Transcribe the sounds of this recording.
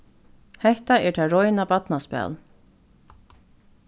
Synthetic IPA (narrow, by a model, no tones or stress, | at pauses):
hɛht̪aɛɹt̪ʰaːɾɔjnabat̪naspɛ̰ːl